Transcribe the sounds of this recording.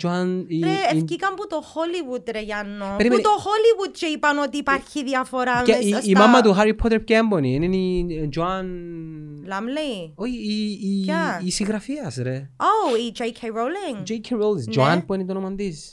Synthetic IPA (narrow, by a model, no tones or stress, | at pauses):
d͡ʒanɾeɛfkikambut̪ohɔliwud̪ɾejanːopɛɾimut̪ohɔliwud̪̚t͡ʃeipanɔt̪ipaɾçiðiafɔɾaɛiimamːad̪uɦaɾipʰɔt̪ɾp̚kɛmbɔniɛnɛnid͡ʒwan | lamlejoiiaːsiɣɾafiasɾɛowid͡ʒejkʰejɹowlɪŋd͡ʒejkʰeɹowlĩsd͡ʒwanpwɛnid̪ɔnɔmand̪is